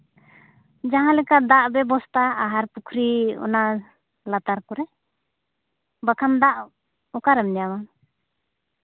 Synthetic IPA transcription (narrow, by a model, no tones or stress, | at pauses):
d͡ʒaɦãlɛkad̪aʔbɛbɔst̪ʰaːɦaɾpukʰɾiɔ̰na | lat̪aɾkɔɾɛ | bakʰand̪aʔ | ɔkaɾɛmɲama